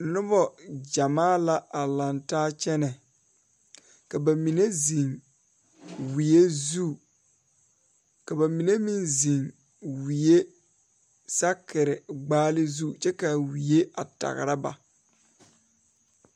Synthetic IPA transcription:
nʊ˦bɔ˨d͡ʒa˨maː˦la˦a˨la˨ntaː˦t͡ʃɛ˦nɛ˨ | ka˨ba˨mi˨ne˦zi˨ŋ | wi˨je˦zu˦˨ | ka˨ba˨mi˨ne˦mi˦˨nzi˨ŋ | wi˨je˦ | sa˦kɪ˨ɾɪ˨ɡ͡baː˦lɪ˦zu˦t͡ʃɛ˦ka˨wi˨e˦a˨ta̰˨ɣɪ̰˨ɾa˦ba̰˨

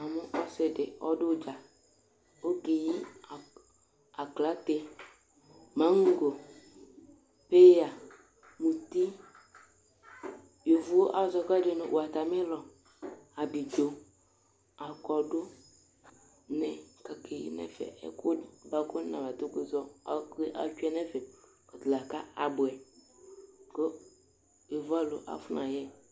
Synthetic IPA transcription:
a˨me˦ʔɔ˦se˨de˨ɔ̰˦do˦d͡ʒa˨ | o˦ɡe˨ji˦˨ | a˨kla˨˦t̪e˦ | mã˨˦ŋ̩˦ɡo˨ | pe˦ja˨ | mũ˨t̪i˦ | jo˨vu˦o˦ʔa˨zɔ˨ka˦d͡ʒe˦nṵ̃˨ʔo˨a˨t̪a˨me˦lɔ˨ | a˨bi˨d͡ʒo˨ | a˨kɔ˨ɖo˦ | nɛ˨ka˨kʰḛ˨nɛ̰˨fɛ̰˨ɛ̰˨kʰo˦ba˦ko˦nã˨ba˨t̪o˦ke˨zɔ˦a˨˦ke˦ʔa̰˨˦t͡ʃu˦ɛ˦nɛ̃˦fɛ˨ | ɔ˨d̪la˨ka˦a˨bo˨ɛ˨ | ko˦ | jo˨va˦lo˨ʔa̰˨fu˦nã˨jɛ˦

